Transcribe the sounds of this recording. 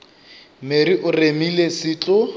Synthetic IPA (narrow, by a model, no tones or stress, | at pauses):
meɾiʔʊremilesɪːt͡ɬʼʊ